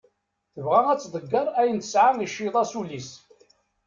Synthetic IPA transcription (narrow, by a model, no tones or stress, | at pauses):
θəvʁæŋæt͡sːðˤəɡːəɾˤæjənt̪ə̥sʕaniʃːiðˤɑsulis